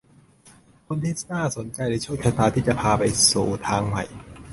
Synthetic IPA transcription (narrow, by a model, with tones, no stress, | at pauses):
kʰo˧nt̪ʰi˦˥snaː˥˩so˨˩˦nt͡ɕa˧jna˧˩t͡ɕʰu˥˩˨kʰa˧˥t̪aː˧t̪ʰiː˥˩t͡ɕa˨˩pʰaː˧pa˧jsuː˨˩t̪ʰaː˧ŋma̰˨˩j